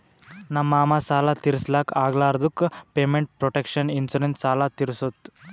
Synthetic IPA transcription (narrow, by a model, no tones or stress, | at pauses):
nɐmːaːmɐsaːlat̪iɾislaːkaːɡlaːɾɐd̪ukːpeːmeɳʈ̚pɾɔʈekʂɐninsuɾensaːlat̪iɾusot̪